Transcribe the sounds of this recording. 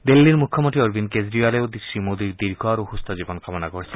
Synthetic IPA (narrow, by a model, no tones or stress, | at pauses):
d̪elːiɾmukʰːɔmɔnt̪ʰiɔɾbinkezɾialeod̪isɹimod̪iɾd̪iɾɡʱɔaɾuhust̪ɔzibɔnkamɔnakoɾisʰi